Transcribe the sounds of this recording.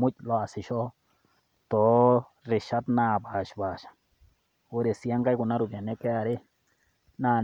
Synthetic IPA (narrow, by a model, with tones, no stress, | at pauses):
mũ˦t̪̚ʲlo˧˦a˧si˧ʃo˦ | t̪o˨˦ | ɾe˧˨ʃa˦t̪nã˦˧˨ba˨ʃba˨ʃḁ˨ | o˦ɾe˧si˧a˦ŋɡa˦jɡu˧˨nã˦ɾu˧bja˨nẽ˦ke˦a˧ɾe˦ | nã˦˧˨